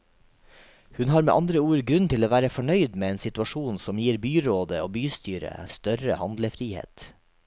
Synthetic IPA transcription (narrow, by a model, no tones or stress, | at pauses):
hʉnhɑːɾmḛʔɑnd̪ɾəuːɾɡɾʉnt̪ʰɪloːʋæːɾəfɔɳœʏd̪meːeːnsɪt̪ʉɑʃuːnsɔmjiːɾbyːɾoːd̪əoːbyːst̪yːɾə̰st̪œɾəhɑnd̪ləfɾiːhḛːt̪